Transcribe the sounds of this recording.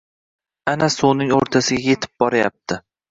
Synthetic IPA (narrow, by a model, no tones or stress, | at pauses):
anasownɪŋoɾt̪ʰasɪɡʲaje̞t̪ʰɪ̥p̚bɒɾaja̰p̚t̪ʰɪ